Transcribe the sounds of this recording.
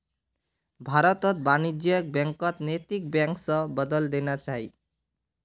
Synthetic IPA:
bʱaɾɔt̪ʌt̪̚banid͡ʒjɔk̚bjaŋkʌt̪net̪ik̚bjaŋksʌ̃bʌd̪ɔld̪enat͡ʃaɦi

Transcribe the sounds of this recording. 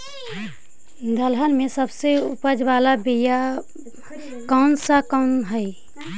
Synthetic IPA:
d̪əlɦənmẽsəbseʊ̰pəd͡ʒʋaːlabija | kaʊnsakəʊnɦəi

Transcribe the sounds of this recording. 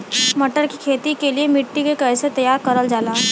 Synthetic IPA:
mɐʈəɾkikʰeːt̪ikeliemɪʈːikekɐɪset̪ɐjaːɾkɐɾəld͡ʒaːlaː

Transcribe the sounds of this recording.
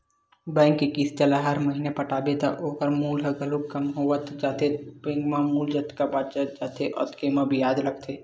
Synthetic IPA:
bɛ̃ːŋkːekist͡ʃəlaɦɐɾmɐɦiːnepɐʈaːbet̪a̰ʔoːkəɾmuːlɦəɡəlokɐmɦoʋət̪d͡ʒaːt̪ebɛ̃ːŋkmãmuːld͡ʒət̪kabaːt͡ʃad͡ʒaːt̪ʰeʔɔ̰ːt̪kemabʱijaːd̪lɐk̚t̪ʰeː

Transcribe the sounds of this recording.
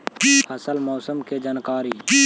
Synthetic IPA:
həsəlmɔːsəmked͡ʒaːnkaːɾiː

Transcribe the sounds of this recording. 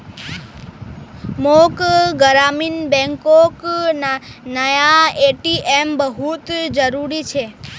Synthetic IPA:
mokɡəɾaminbɛ̃ŋkoknanəjaeʈiʔembəɦut̪d͡ʒəɾuɾit͡ʃʰe

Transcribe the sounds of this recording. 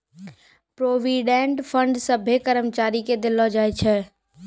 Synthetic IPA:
pɾoːʋiːɖẽːɳʈfʰə̃ɳɖsəbʱekəɾəmt͡ʃaːɾiked̪ɪlːɔːd͡ʒaːet͡ʃʰɛ

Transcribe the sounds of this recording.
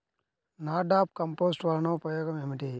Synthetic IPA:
naːɖaːp̚kɐmpoːsʈʋɐɾnoːpɾɐjoːɡɐmemiʈi

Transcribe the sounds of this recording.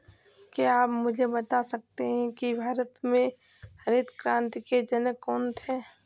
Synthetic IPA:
keaːpmʊd͡ʒʱebət̪asɐk̚t̪eɦɛ̃kibʱaːɾət̪mẽ | hɐɾed̪kɾãːnt̪iked͡ʒənəkːɔːnt̪ʰɛː

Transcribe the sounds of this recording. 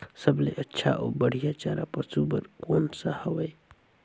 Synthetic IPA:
səbleʔətːʃʰa̰ʔobəɽ̤ijat͡ʃaɾapəsubəɾkoːnsəhəwəj

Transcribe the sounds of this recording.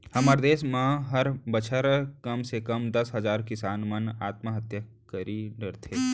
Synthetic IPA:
hɐməɾd̪eːsmãɦɐɾbət͡ʃʰəɾkɐmsekɐmd̪ɐsɦɐzaːɾkɪsaːnmɐnaːt̪maɦɐt̪jə | kəɾiːɖəɾt̪ʰeː

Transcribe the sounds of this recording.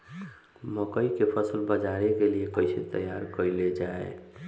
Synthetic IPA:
məkəikepʰəsəlbəd͡ʒaɾekeliekəjset̪əjaɾkəɾled͡ʒaḛ

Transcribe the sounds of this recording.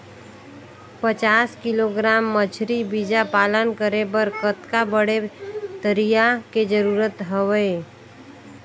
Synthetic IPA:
pət͡ʃaːskɪloɡɾaːmːət͡ʃʰɾibid͡ʒapaːlənkəɾebəɾkət̪kabəɽet̪əɾijaked͡ʒəɾuːɾət̪ɦəʋəe

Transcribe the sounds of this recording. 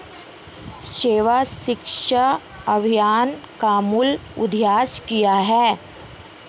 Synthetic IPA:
ʃeːʋaʃɪkʃə | ɐbʱijaːnkaːmulʊ̰d̪ʱjaːskijaɦɛː

